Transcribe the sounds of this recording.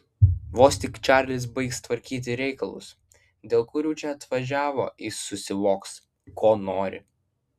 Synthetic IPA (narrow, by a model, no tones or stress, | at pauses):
ʋoːsʲt̪ʲɪkt͡ʃʲæːɾʲlʲɪs̬bɐɪkst̪ʋɐɾʲkʲiːt̪̬ʲɪɾʲɛɪkɐlˠʊ̰s | d̪ʲeːlˠkʊɾʲuːt͡ʃʲɛɐt̪ʋɐʒʲæːʋo̰ːɪsʊsʲɪʋoːks | kʰoːnoːɾʲɪ̰